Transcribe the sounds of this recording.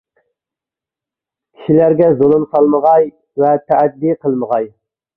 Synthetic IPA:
kʲʰi̥ʃilæɾɡʲɛzolˠɨmsɑlˠməʁɑj | vɛt̪ʰæʔːd̪ːiqʰəlˠməʁɑj

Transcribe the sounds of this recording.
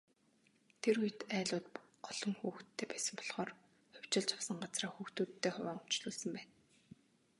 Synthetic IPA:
t̪ʰeɾujt̪æːɮʊːt̪ɢɔɮ̥ɞ̆ŋxuːxt̪ʰːeːpæːsə̆mpɔɮχɔːr | χʊw̥ʲt͡ɕɪ̆ɮt͡ɕʰḁwsə̆ŋɢat͡sraːxuːxt̪uːt̪ʰːeːχʊwʲæːŋʊ̥t͡ɕɮʊːɮsə̆mpæːn

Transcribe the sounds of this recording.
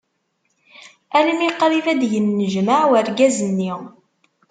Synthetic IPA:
æləmiqɾivæd̪ʝənːəʒmaʕwəɾɡæzənːi

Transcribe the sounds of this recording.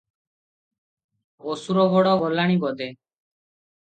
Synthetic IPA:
osuɾɔɡɔɽɔɡɔlaɽ̃ibɔd̪e

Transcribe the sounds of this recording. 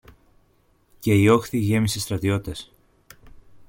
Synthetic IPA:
ce̞io̞xθiʝe̞misest̪ɾɐt̪io̞t̪es

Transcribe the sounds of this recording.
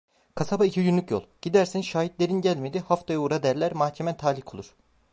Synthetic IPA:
kʰasabaicʰijynlʲycjo̰lˠɟ̥id̪æɾsinʃaːɦit̪lʲe̞ɾinɟælʲmed̪ihaft̪ʰajauɾad̪æɾlʲæɾmahcʰemɛt̪ʰaːlʲikʰolˠuɾ̥

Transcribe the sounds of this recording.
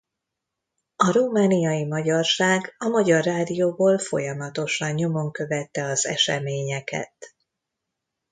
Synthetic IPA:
ɒɾumaːnijɒjimɒɟɒrʃaːɡɒmɒɟɒrːaːd̪ijoːboːlfo̞̰jɒmɒt̪o̞ʃɒɲɲo̞mo̞ŋkø̞vɛt̪ːɛɒzɛ̰ʃɛ̰meːɲɛkɛ̰t̪

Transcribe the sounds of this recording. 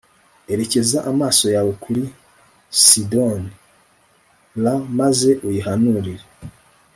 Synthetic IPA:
e̞ɾe̞ce̞zaʔamaːso̞jawokʰuɾi | sidoni | lamaze̞ʔujiɦanuɾiɾe

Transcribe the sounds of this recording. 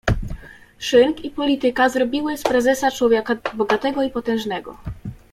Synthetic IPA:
ʂɘŋkipɔlʲit̪ɘkazɾɔbʲiwɘspɾɛzɛsat͡ʂwɔvʲjakabɔɡat̪ɛɡɔipɔt̪ɛ̃w̃ʐnɛɡɔ̰

